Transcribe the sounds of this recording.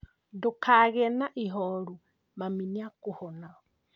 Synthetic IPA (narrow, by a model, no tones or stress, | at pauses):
dukaɣɛnaʔiɦɔɾu | maminiakuhɔna